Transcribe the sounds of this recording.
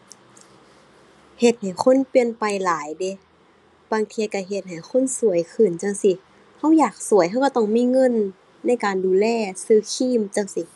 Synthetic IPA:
he˧˩t̪̚ha˨˩jxʰo˧˥˨npi˧ənpa˨jlaː˨˦jde˧˦ | baː˧ŋt̪ʰiː˧ka˧˩ɦe˧˦t̪̚ha˨˩jxʰo˧˥˨nsu˨˩˦ə˦jkʰɯ˧˨˩nt͡ɕa˧˩ŋsi˧˩ | ha˧˥˩wjaː˨˩k̚su˨˩˦əjɦa˧˨wka˧˩t̪ɔ˧˥˩ŋmiː˧˥˨ŋɤ˧˥˨nː | a˧˥˨jkaː˨nduː˨˩lɛː˧˩˨sɯː˧˥˩kʰiː˧˥˨mt͡ɕa˧˨ŋsi˧˩

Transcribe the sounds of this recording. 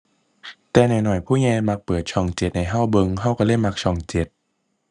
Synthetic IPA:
t̪ɛː˨˩nɔ˨˩jnɔ˨˩jpʰuː˥˩ŋɛː˧ma˧k̚pɤː˨˩t̪̚t͡ɕʰɔː˧˩ŋt͡ɕe˨˩t̪̚na˧˩jɦa˧˥˩wbɤ˧ŋɦa˧˥˩wkɔ˧˩le˧˥˩ma˧˥k̚t͡ɕʰɔː˧˩ŋt͡ɕe˨˩t̪̚

